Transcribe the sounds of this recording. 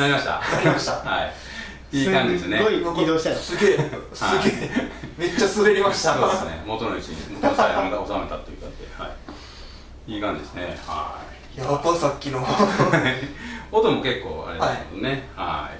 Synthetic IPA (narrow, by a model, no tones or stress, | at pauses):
naɾimaɕi̥t̪a̰aɾʲmaɕt̪ahai | iːkãɲd͡ʑid̪esɨneɡoikokʲid̪oːɕi̥t̪asɨɡeosaɨɡʲeːme̞t͡ɕːasɨɾeɾʲimaɕt̪aosɨnḛmot̪onit͡ɕiɲemot̪ajhãŋɡaosame̞t̪at̪ːojḭk̪at̪ːḛha̰i | iːkãɲ̟d͡ʑid̪esɨneha̰ | jat̪asakʲːino | ot̪omo̞ke̞kːo̰ːa̰ɾedaseod̪oneha̰i